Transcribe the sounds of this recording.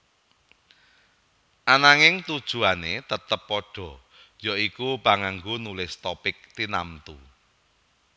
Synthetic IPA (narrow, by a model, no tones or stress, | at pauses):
ʔanaŋɪŋt̪ud̥ʒ̥ṳanet̪ət̪əpːɔɖ̥ɔ̤ | jɔikupaŋaŋɡonulɪst̪ɔpɪk̚t̪inamt̪u